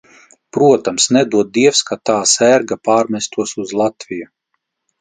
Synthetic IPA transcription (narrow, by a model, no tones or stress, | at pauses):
pɾuɔt̪amsnɛd̪uɔd̪̚d̪iɛfskat̪aːsæɾɡapaːɾmʲɛst̪uɔsuzlˠat̪vʲiju